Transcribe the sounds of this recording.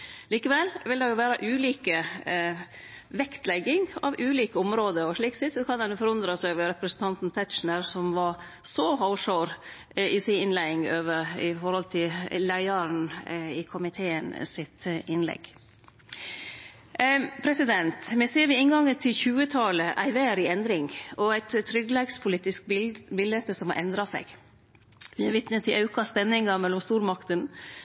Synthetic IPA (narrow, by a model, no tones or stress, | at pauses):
liːkəʋɛlʋɪld̪ɛjʊʋæːɾəʔʉːliːkə | ʋɛkt̪lɛɡɪŋɑ̰ʋʉːliːkəʊmɾoːd̪əɔʂɭiːksɪt̪sɔkʰɑnd̪ɛnʉːfɔɾɔnd̪ɾɑsɛʋəɾɛpɾəsən̩t̪ʰɑnt̪n̩t̪ʰæt̪t͡ʃn̩əɾsɔmʋɑɾ | sɔɦɔʊʂoʊɾ | ɪsɪnɪnlæɪɪŋøːʋəɾɪ̰fɔɾhɔlt̪ʰɪllæɪəɾnɪkʰʊmɪt̪ʰeːənsɪt̪ɪnlɛ̰ɡ̥ | pʰɾɛsɪd̪ɛnt̪mɛseːɾʋɪɪnɡɑŋət̪ʰɪlçʉːət̪ʰɑləʔæɪʋæɾɪɛnd̪ɾɪŋɔæɪt̪t̪ʰːɾʏɡlɛɡspʰʊliːt̪ɪskbɪlːət̪əsɔmɑ̰ɾʔɛnd̪ɾɑsɛ̰ɡ | ʋɪæʋɪt̪nət̪ʰːɪlʔɑʉkɑspɛnːɪŋɑmɛlːɔmst̪uːɾmɑkt̪ən